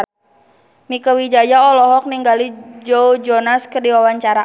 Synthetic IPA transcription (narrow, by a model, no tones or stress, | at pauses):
mikawid͡ʒajaɔlɔɦɔk̚niŋɡalid͡ʒɔud͡ʒɔnaskərdiwawaɲt͡ʃaɾa